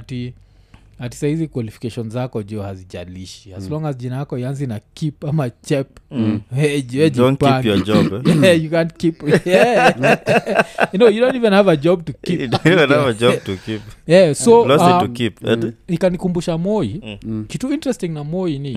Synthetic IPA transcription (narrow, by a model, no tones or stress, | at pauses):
ati | hati̥sahizikwalifi̥kɛʃɔnzakɔd͡ʒɔhazid͡ʒa̰liʃiasulɔŋɡazd͡ʒinajakɔianzinakipamat͡ʃɛp | ɛd͡ʒɛd͡ʒinkpajad͡ʒɔɛjukãnkipɛ | nojudɔntivɛ̃nhavad͡ʒɔb̚tukiivɛnhavad͡ʒɔtukipɛsɔlɔatukipɛ̰nikanikumbuʃamɔikituintɾɛstĩŋnamɔini